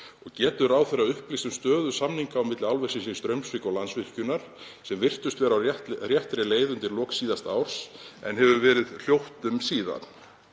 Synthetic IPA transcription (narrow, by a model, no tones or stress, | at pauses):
ɔɣcɛːt̪ʏɾaːwθeɾaʏhplist̪ʏmst̪œːðʏsamniŋkaːwmɪt̪lawlvɛ̥sɪnsist̪ɾœɥmsvɪkɔɣlansvɪr̥cʏnaɾ̥ | sɛmvɪr̥t̪ʏst̪vɛːɾaɛrjɛht̪ɾɛleːjðʏnt̪ɪɾlɔːksiːðast̪aːwɾ̥sɛ̰nhɦɛvʏvɛːɾɪðl̥jowht̪ʏmsiːða̰n